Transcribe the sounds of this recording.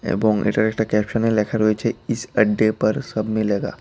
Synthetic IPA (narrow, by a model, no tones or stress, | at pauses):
ḛbɔ̃ːŋɪ̰̃ɳʈəɾek̚ʈəɾkɛːpʃənmẽleːkʰəɾɦoet͡ʃʰeɪsɐɖːepɐɾsɐbʱmẽlɐɡa̰ː